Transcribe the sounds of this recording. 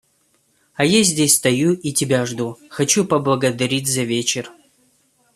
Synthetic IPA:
ɐjazʲdʲesʲst̪ɐjuʔitʲɪbʲaʐd̪uxɐt͡ɕupəblˠəɡəd̪ɐɾʲitʲzɐvʲet͡ɕɪr

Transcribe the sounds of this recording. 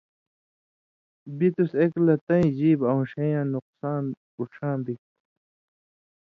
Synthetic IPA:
bit̪useklɐt̪ɐ̃ĩd͡ʑiːbɐũɕɐ̃jãːnuqsaːn | uʈ͡ʂʰãːnd̪ik̚t̪

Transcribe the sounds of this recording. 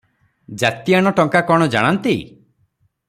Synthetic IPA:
d͡ʒat̪ijaɽ̃ɔʈɔŋkakɔɽ̃ɔd͡ʒa̰ɽ̃ant̪i

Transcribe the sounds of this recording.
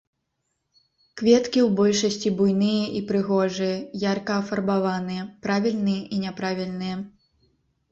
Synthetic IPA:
kvʲɛt̪kʲiwbɔlʲʂɐsʲt͡sʲibujnɨjɐʔipɾɨɣɔʐɨjɐjarkɐːfɐrbavanɨjɛpɾavʲilʲnɨjɛʔinʲɛpɾavʲilʲnɨjɛ

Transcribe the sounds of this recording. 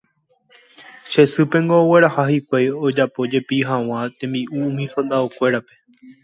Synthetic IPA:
ʃe̞sɨpẽ̞ŋɡo̞ːwe̞ɾahahikʷajo̞d͡ʒapo̞d͡ʒe̞piɦãw̃ãt̪ẽ̞mbiʔuũmĩsõnd̪aokʷe̞ɾape̞̥

